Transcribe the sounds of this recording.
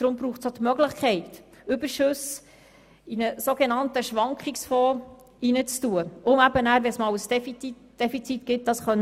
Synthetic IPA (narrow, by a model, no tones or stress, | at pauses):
d̥ɾʊmbɾuːχsot̪mœɡləχkʰɛɪt | ʏb̥əɾʃʉs | inəsoɡenɑntəʃʋɑŋkχɪksfɔː | inət͡stuəʊmæbənæːɾʋɛnsmɑːwəsdɛfii | d̥efit͡sitɡ̥ɪt̚d̥ɑsχœn